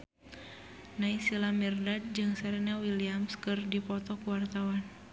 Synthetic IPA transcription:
naisilamirdad̚d͡ʒɨŋsaɾɛnawiliamskɨrdipɔt̪ɔkuwart̪awan

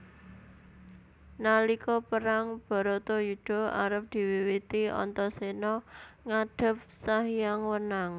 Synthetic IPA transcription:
nalikɔpəɾaŋb̥ɔ̤ɾɔt̪ojud̪̥o̤a̰ɾəp̚d̪̥i̤wiwit̪iɔ̰nt̪ɔsenɔŋaɖ̥ə̤p̚saɦijaŋwənaŋ

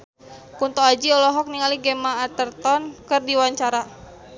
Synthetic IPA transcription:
punt̪ɔad͡ʒiɔlɔɦɔk̚niŋaliɡemaːt̪ərt̪ɔnkɨrdiwaɲt͡ʃaɾa

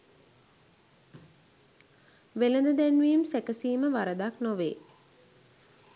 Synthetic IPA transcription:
ʋeləd̪əd̪ænʋiːmsekəsiːməʋaɾəd̪aknoʋḛː

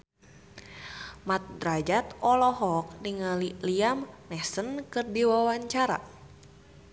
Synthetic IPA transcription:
mat̪̚drad͡ʒat̪ɔlɔɦɔk̚niŋaliliamnɛsənkɨrdiwawaɲt͡ʃaɾa̰

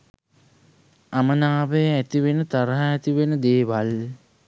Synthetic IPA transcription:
amənaːʋəjəæt̪iʋenət̪aɾəɦaːt̪iʋenəd̪eːʋal

